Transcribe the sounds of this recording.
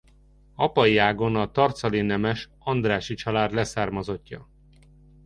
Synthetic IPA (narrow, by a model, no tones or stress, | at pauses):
ɒpɒiaːɡo̞nɒt̪ɒrt̪sɒlinɛmɛʃ | ɒnd̪raːʃit͡ʃɒlaːd̪lɛsaːrmɒzo̞cːɒ̰